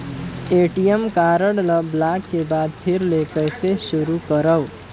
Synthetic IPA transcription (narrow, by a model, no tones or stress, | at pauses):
eʈijəmkaɾəɽləblakːebad̪pʰiɾlekəjsesuɾukəɾəw